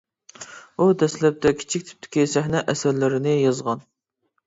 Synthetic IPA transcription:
ud̪ɛslɛp̚t̪ʰɛkʲʰi̥t͡ʃʰik̚ʲt̪ʰy̥p̚t̪ʰɪ̥kʲisæhnɛʔɛsæɾlɪɾɪnɪjɑzʁɑn

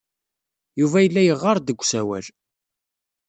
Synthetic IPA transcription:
juvæjəlːæjəʁːɑɾˤd̪əɡʷːsæwæ̰l

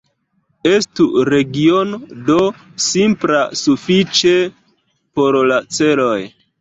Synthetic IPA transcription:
estuɾe̞ɡio̞nodo̞simpla̰sufit͡ʃe̞ | po̞ɾlat͡se̞lo̞j

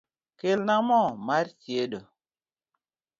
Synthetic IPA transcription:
kelnamɔmaɾtieɗo

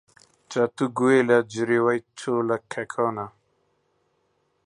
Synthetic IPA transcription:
t͡ʃat̪uɡuelad͡ʑiɾiwajt͡ɕʰoːlakʰekʰɔːna

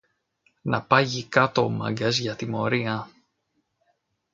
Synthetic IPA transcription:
nɐ̰pɐʝikɐt̪o̞mɐ̰ɡɐzʝɐt̪imo̞ɾiɐ

